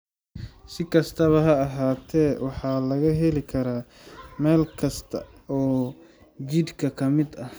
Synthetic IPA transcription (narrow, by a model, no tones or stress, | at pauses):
sɪkʰɐst̪ʰɐβɐɦɐɐɦaːt̪ʰɛːwɑħɑːlɐɣɐɦɛlɪkʰɐɾaː | mɛːlkʰɐst̪ʰɐ̰ | ɔː | d͡ʒid̪kʰɐkʰɐmɪd̪ɐ